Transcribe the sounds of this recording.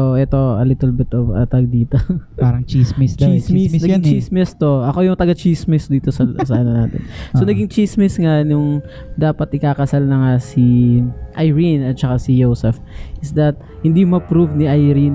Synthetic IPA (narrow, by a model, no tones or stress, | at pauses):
ʔoʔɛt̪o̞ɐlɪt̪ɛlbɪt̪ovɐ̰t̪ɐɡ̚d̪iːt̪opaːɾɐŋt͡ʃismisnɐɡŋt͡ʃismɛst̪o̞ʔɐko̞jʊŋt̪ɐɡɐt͡ʃismɪsd̪iːt̪osɐsɐʔɐnonaːt̪ɛ̰nsonɐɡɪŋt͡ʃismɪsŋanʊŋ | d̪aːpɐt̪ʔɪkaːkɐsalnɐŋasiʔɐjɹinɐt̪̚t͡ʃɐkasijowsɛf | ʔɪsd̪ɐt̪̚ | hɪnd̪imɐpɾuvniʔɐjɾin